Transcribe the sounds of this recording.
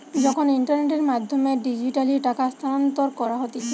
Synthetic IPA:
d͡ʑɔkʰoniɳʈaɾneʈeɾmad̪ʱːomeɖid͡ʑiʈaliʈakast̪ʰant̪oɾkɔɾaɦot̪et͡ɕʰe

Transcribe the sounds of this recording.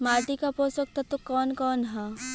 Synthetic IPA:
maːʈikapoːsək̚t̪ʰɐt̪okɔːnkɔːnɦa

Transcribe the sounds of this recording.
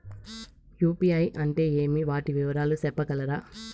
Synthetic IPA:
juːpiːɐjʔɐɳʈe̞ːeːmiʋaːʈiʋiʋɐɾaːlusɛpːɐkɐlɐɾaː

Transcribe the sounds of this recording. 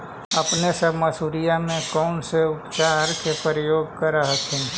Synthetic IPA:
ɐpnesəbʱməsuːɾijamẽkɔʊnseʊpt͡ʃaːɾkʰepəɾɪjoːɡkəɾaɦəkʰɪ̃n

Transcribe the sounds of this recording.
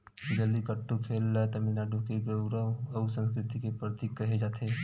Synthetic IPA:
d͡ʒəlikəʈːukʰelːat̪əminaɖukeɡəʊɾəʋəʊsə̃nskɾɪt̪ikepɾət̪ikːəɦed͡ʒaːt̪ʰe

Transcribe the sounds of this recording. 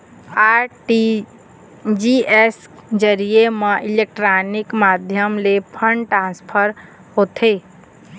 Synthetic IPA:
aʈi | d͡ʒiesd͡ʒəɾijemeʔilek̚ʈɾanikmad̪ʱjəmlepʰəɳɖʈɾãnspʰəɾ | ɦot̪ʰe

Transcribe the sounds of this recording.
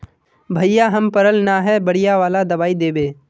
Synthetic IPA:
bʱɐijaɦɐmpəɾəlnaɦɛbɐɽɪjaʋaːlad̪ɐbaːid̪eːbeː

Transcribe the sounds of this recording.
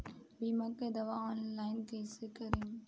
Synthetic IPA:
biːmɐkːɐd̪ɐʋaɔːnlaɪnkeːsɨkɐɾem

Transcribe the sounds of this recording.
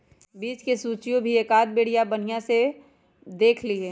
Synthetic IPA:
biːt͡ʃkesuːt͡ʃijõbʱieːkaːd̪̚beːɽ̤ijabɐn̤ijãse | d̪eːkʰlieː

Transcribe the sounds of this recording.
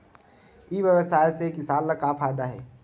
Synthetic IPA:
iʋjəʋəsaːjsekɪsaːllakafʰaːjd̪aɦɛ̰ː

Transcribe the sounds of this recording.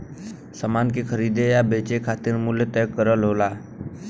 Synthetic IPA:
səmaːnkekʰəɾiːd̪ejabeːt͡ʃekʰaːt̪ɪɾmʊljət̪ɛːkːəɾəlɦoːlaː

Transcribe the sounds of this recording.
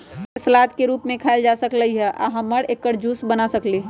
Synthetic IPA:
fɛːslaːt̪keɾuːpmẽkʰaɪld͡ʒasəkləɦiɦɛʔa̰ɦə̃mːəɽeːkːəɾd͡ʒuːsbənasəkliː

